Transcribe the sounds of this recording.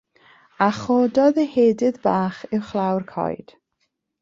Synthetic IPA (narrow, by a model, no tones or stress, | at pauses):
aχɔːdɔðəheːdɪðbaːχɪwχlˠawrkʰɔ̰jd̥